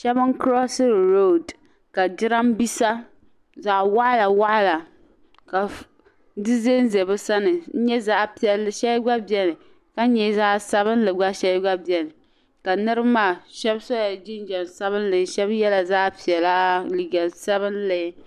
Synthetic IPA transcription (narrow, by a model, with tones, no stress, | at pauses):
ʃɛ˦bɨ˦ŋkɾɔ˦sɨ˦˨ɾo˦˨d | ka˨d͡ʒɪ˦ɾa˦mbi˦sa˦ | za˨wa˦ʔla˨wa˦ʔla˨ | ka˨ | dɨ˦ze˦n˦zɛ˨bɨ˦sa˦nɨ˨n̩˦ɲɛ˦zaː˦˨pi˨ɛ˨lʃɛ˦ɡ͡ba˦bjɛ˦nɨ˨ | ka˦ɲɛ˨zaː˦ʔsa˦βɨ˦n˦lɨ˨ɡ͡ba˦ʃɛ˦lɡ͡ba˦bi˨ɛ˨nɨ˨ | ka˨nɨ˦ɾɨ˦maː˦˨ʃɛ˦bsɔ˦ja˨d͡ʒi˦n˦d͡ʒɛ˨nsa˦βɨ˦n˦lɨ˨˦ʃɛ˦bjɛ˦la˨zaː˦pi˨ɛ˨la˦ʔli˨ɡa˨sa˦βɨ˦nlɨ˨˦